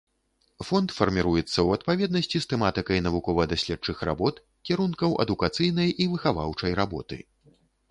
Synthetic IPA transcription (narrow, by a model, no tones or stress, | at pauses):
fɔnt̪fɐrmʲiɾujɛt̪sːɐwɐt̪pavʲɛd̪̚nɐsʲt͡sʲist̪ɛmat̪ɨkɐjnɐvukɔvɐd̪asʲlʲɛt͡ʂɨxɾʔa̰bɔt̪ | kʲiɾunkɐwʔɐ̰d̪ukat̪sɨjnɐjʔivɨxava̰wt͡ʂɐjɾabɔt̪ɨ̰